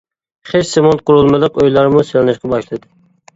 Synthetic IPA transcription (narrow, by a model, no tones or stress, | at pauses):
χet͡ʃsemont̪̚qʊɾulˠmɨlˠɨqojlˠɑɾmuselɪnɪʃqɑbɑʃlˠɨd̪ɪ